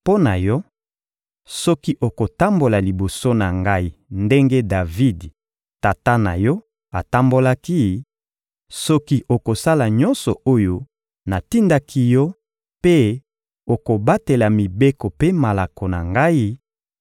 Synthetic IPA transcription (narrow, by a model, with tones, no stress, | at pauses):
po˦na˨jɔ˦ | sɔ˦ki˦ʔo˨ko˨ta˦mbo˨la˨li˨bo˨so˦na˨ŋɡa˦i˦nde˦ŋɡe˦da˨vi˦d | ta˨ta˦na̰˨jɔ˦ | a̰˨ta˦mbo˦la˦ki˦ | sɔ˦ki˦ʔo˨ko˨sa˦la˨ɲɔ˦nsɔ˨o˦jo˦ | na˨ti˦nda˦kʰi˦jɔ˦ | pe˦ | o˨ko˨ba˦te˨la˨mi˨be˦ko˨pe˦ma˨la˨ko˨na̰˨ŋɡa˦i˦